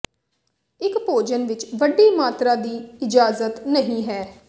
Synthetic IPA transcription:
ɪkpoːd͡ʒənʋɪt͡ʃʋəɖːiːmaːt̪ɾaːd̪iːɪd͡ʒaːzət̪nəɦĩːɦɛː

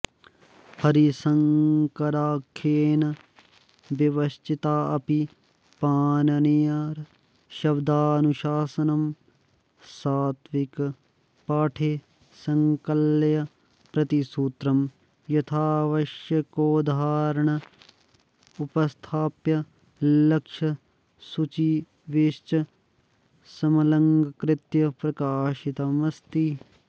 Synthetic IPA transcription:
hʰɐɾisɐŋkɐɾaːkʰːeːnɐ | bjɐʋɐst͡ʃit̪aːɐpi | paːnɐnijaːɾ | ʃɐbd̪aːnuʃaːsɐnɐm | saːt̪ʰʋik | paːʈʰe | sɐŋkɐlːjɐ | pɾɐt̪isuːt̪ɾɐm | jɐt̪ʰaːʋɐʃjɐkoːd̪ʱaːɾɐɳɐ | upɐst̪ʰaːpjɐ | lɐkʂɐ | sut͡ʃi | ʋeʃt͡ʃɐ | sɐmɐlɐŋɡɐkɾɪt̪jɐpɾɐkaːʃit̪ɐmɐst̪i

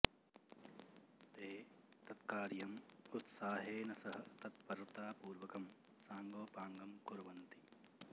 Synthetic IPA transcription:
t̪eːt̪ɐt̪kaːɾjɐmut̪saːɦeːnɐsɐɦɐt̪ɐt̪̚pɐɾɐt̪aːpuːɾʋɐkɐm | saːŋɡoːpaːŋɡɐmkuɾuʋɐnt̪i

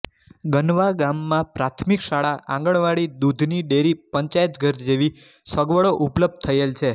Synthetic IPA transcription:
ɡənʋaɡamːãpɾat̪ʰmikʃaɭaʔã̰ŋɡəɭʋaɽid̪ud̪ʱniɖeɾipəɲt͡ʃajət̪ɡʱəɾd͡ʒeʋi | səɡʋəɭoʔupləb̚d̪̚t̪ʰəelt͡ʃʰe

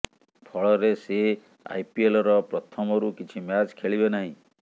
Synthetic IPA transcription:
pʰɔɭɔɾese | a̰jpielɔɾɔpɾɔt̪ʰɔmɔɾukit͡ʃʰimjat͡ʃkʰeɭibenaɦĩ

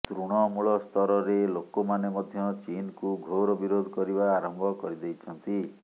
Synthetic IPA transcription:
t̪ɾuɽ̃ɔmuɭɔst̪ʰɔɾɔɾelokomanemɔd̪ʱjɔt͡ʃinkuɡʱoɾɔbiɾod̪ʱɔkɔɾibaːɾɔmbʱɔkɔɾid̪ejt͡ʃʰɔnt̪i

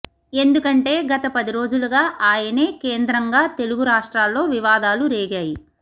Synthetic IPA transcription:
e̞nd̪ukɐɳʈe̞ːɡɐt̪ɐpɐd̪iɾo̞ːd͡ʒuluɡaːʔaːjɐne̞ːkeːnd̪ɾɐŋɡaːt̪e̞luɡuɾaːʂʈɾaːlːo̞ːʋiʋaːd̪aːluɾeːɡaːji

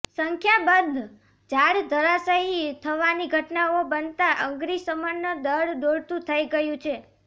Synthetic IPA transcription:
səŋkʰjabənd̪ʱ | d͡ʒaɽd̪ʱəɾasəɦit̪ʰəʋaniɡʱəʈnaobənt̪aʔəŋɡɾisəmanːəd̪əɽd̪oɽt̪ũt̪ʰəiɡəjũt͡ʃʰe

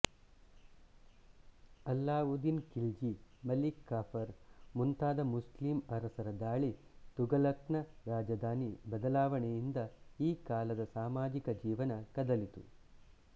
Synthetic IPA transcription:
ɐlːaːud̪inkild͡ʒimɐlikːaːpʰɐɾmunt̪aːd̪ɐmuslimɐɾɐsɐɾɐd̪aːɭit̪uɡɐlɐknɐɾaːd͡ʒɐd̪ʱaːnibɐd̪ɐlaːʋɐɳɛjind̪ɐiːkaːlɐd̪ɐsaːmaːd͡ʒikɐd͡ʒiːʋɐnɐkɐd̪ɐlit̪u

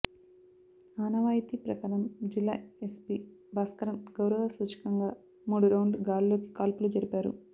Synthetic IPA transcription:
aːnɐʋaːjt̪ipɾɐkaːɾɐmd͡ʒilːa̰ːespibaːskɐɾɐmɡ̥ɐwɾɐʋɐsuːt͡ʃi̥kɐŋɡaː | muːɽuɾɐwɳɖɡaːllo̞ːki̥kaːlpulud͡ʒɐɾipaːɾṵ

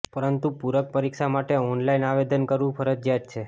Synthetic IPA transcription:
pəɾənt̪upuɾək̚pəɾiksamaʈeɔnlainaʋed̪ənkəɾʋũpʰəɾəd̪d͡ʒjat̪̚t͡ʃʰe

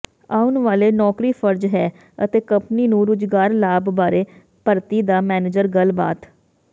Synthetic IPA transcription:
aːunʋaːleːnɔːkɾiːfʰəɾd͡ʒɦɛː | ət̪eːkə̃mpniːnũːɾʊd͡ʒɡaːɾlaːbbaːɾeː | pəɾt̪iːd̪aːmɛːneːd͡ʒəɾɡəlba̰ːt̪

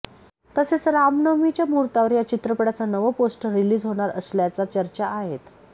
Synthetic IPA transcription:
t̪əset͡sɾamnəmit͡ɕjamuɾt̪aʋəɾjat͡ɕit̪ɾəpəɽat͡sanəʋəposʈəɾiliːd͡zɦoɽ̃aɾəsljat͡sat͡ɕəɾt͡ɕaʔːɦet̪

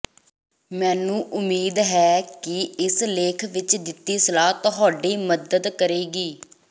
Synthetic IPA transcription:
mɛːnũːʔʊmiːd̪ɦɛːkɪɪsleːkʰʋɪt͡ʃd̪ɪt̪ːiːsəlaːt̪ʊɦaːɖiːməd̪əd̪kəɾeːɡiː

